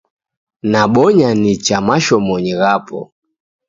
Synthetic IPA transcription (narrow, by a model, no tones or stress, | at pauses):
naɓɔɲanit͡ʃamaʃɔmɔɲiɣapɔ̰